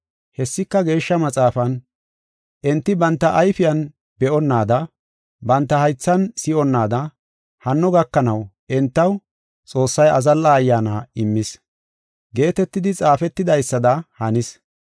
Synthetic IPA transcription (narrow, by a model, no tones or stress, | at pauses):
hɛsːɪkːɐɡe̞ːʃːɐmɐt͡sʼaːfɐn | ʔɛnt̪ːɪbɐnt̪ːɐʔɐjfɪjɐn | b̥ɛʔɔnːaːd̪ɐ | bɐnt̪ːɐhɐjt͡sːɐnsɪɔnːaːd̪ɐ | hɐnːɔɡɐkːɐnɐw | ɛnt̪ːɐw | t͡sʼo̞ːsːɐjɐzɐlːɐːjːaːnaɪmːɪs | ɡe̞ːt̪ɛt̪ːɪd̪ɪt͡sʼaːfɛt̪ːɪd̪ɐjsːɐd̪ɐhɐnɪs